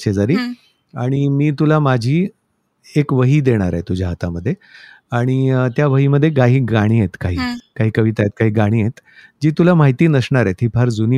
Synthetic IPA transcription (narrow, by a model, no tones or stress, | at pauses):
t͡ɕed͡zaɾiː | aɽ̃imiːt̪ulamad͡ʑʱiː | ekʋəɦiːd̪eɽ̃aɾajet̪ud͡ʑʱaɦat̪aməd̪ʱːje | aɽ̃it̪jaʋəɦiːməd̪ʱːjeɡaɦiːɡaɽ̃iːjet̪kaɦiːkaɦiːkəʋit̪ajet̪̚kaɦiːɡaɽ̃iːjet̪d͡ʑiːt̪ulamaɦit̪iːnəsɳaɾaet̪ɦiːpʰaɾd͡zuni